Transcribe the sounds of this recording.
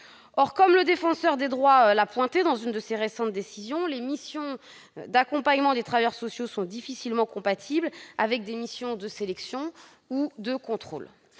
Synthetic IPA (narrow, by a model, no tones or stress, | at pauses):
ɔʁkɔmləd̪efɑ̃sœʁd̪ed̪ʁwalapwɛ̃t̪ed̪ɑ̃zynd̪əseʁesɑ̃t̪̚d̪esizjɔ̃lemisjɔ̃ | d̪akɔ̃paɲmɑ̃d̪et̪χavajœʁsɔsjosɔ̃d̪ifisilmɑ̃kɔ̃pat̪ʰiblavɛk̚d̪emisjɔ̃d̪əselɛksjɔ̃ | ud̪əkɔ̃t̪χo̰l